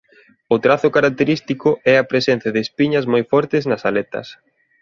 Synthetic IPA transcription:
ʊt̪ɾaθʊkaɾak̚t̪eɾist̪ikʊʔɛɐpɾesɛn̟θjɐðɪːspiɲɐzmojfɔɾt̪ɪznɐsalet̪ɐ̰s

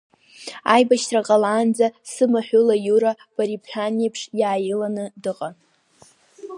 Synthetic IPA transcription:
ajbaʃtʰraqʼaland͡zasɨmaħʷᶣʊlajuɾa | b̥aɾipʰħanipʰʂjaːjɪlanɨdɨqʼan

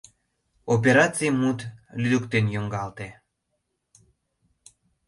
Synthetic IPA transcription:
op̬eɾɑt͡sijmut̪lyd̪ukt̪enjoŋɡɑlt̪e

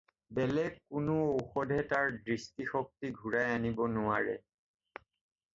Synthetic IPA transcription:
bɛlɛɡkʊnʊowxɔdʱɛtaɹdɹistixɔk̚tiɡʱuɹajanibɔnʊaɹɛ̰

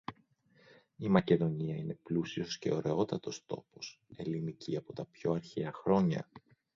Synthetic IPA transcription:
imɐce̞ðo̞ɲiɐine̞plusio̞sce̞̰o̞ɾe̞o̞t̪ɐt̪o̞st̪o̞po̞s | e̞liniciɐpo̞t̪ɐpço̞ɐɾçeɐxɾo̞ɲɐ̰

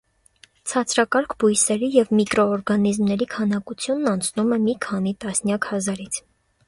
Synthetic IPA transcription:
t͡sʰɑt͡sʰɾɑkɑɾkʰbujsɛɾijɛvmikɾɔːɾɡɑnizmnɛɾikʰɑnɑkut͡sʰjunːɑnt͡sʰnumɛmikʰɑn̪it̪ɑsnjɑkhɑzɑɾit͡sʰ

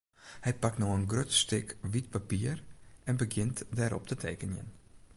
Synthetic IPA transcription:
hɛjpak̚tnoənɡrøtstɪkʋit̚papiərɛnbəɡjɪntdɛɾʔɔ̰p̚tʰətʰeːkənjə̰n

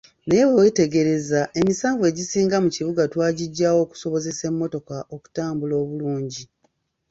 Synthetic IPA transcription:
nejewewete̞ɡe̞ɾe̞zae̞misaːɱvwe̞ːɟisiːŋɡamuciβuɡatwaːɟiɟːaːwo̞ːku̥so̞βo̞ze̞se̞mːo̞to̞kaʔoku̥taːmbulo̞ːβuluːɲɟi

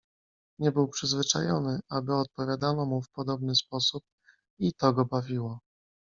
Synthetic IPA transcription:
ɲɛbɘwpʂɘzvɘt͡ʂa̰jɔnɘabɘɔt̪̚pɔvʲjad̪anɔmufpɔd̪ɔbnɘspɔsup̚ | it̪ɔɡɔbavʲiwɔ

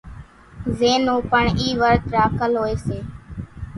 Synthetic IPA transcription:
zeːnũːpəɳiːʋəɾt̪ɾaːkəlɦoːeːseː

